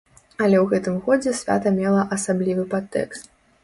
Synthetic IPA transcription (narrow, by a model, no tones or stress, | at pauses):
ɐlʲɛwɣɛt̪ɨmɣɔd͡zʲɛsʲvʲa̰t̪ɐmʲɛlˠɐʔɐsablʲivɨpat̪ːɛ̰kst̪̚